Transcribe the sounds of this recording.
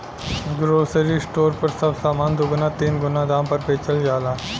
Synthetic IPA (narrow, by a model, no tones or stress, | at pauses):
ɡɾoːsəɾisʈoːɾpɐɾsɐbsaːmaːnd̪ʱʊɡnat̪iːnɡʊnad̪ãːmpɐɾpeːt͡ʃəlɡaːlaː